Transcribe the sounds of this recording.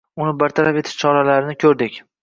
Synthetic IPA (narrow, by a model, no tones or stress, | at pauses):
ʊnɪbaɾt̪ʰaɾafe̞t̪ʰɪ̥ʃt͡ʃʰɒɾalaɾɪnɪkʲʰɵɾd̪ɪkʲ